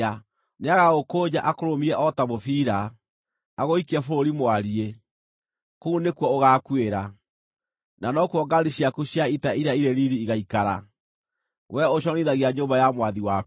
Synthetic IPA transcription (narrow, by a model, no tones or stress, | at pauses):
neaɣaɣokoɲaʔakoɾomiɛʔɔtamofiɾaː | ɣoikɛfoɾoɾimwaɾie | kounekwɔoɣakweɾa | nanɔkuɔɡaɾiɕiakuɕjaitaiɾaiɾeɾiɾiːɣaikaɾa | wɛoɕɔniðaɣiaɲombajamwaðiwa